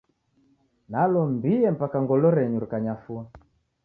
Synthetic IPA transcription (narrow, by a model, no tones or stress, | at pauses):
nalɔmbiɛm̩pakaŋɡɔlɔɾɛɲuɾikaɲafua